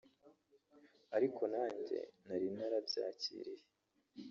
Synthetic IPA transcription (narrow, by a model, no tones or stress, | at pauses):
aɾikʰo̞naːɲɟe̞̰naɾinaɾabɟa̰ːcḭːɾije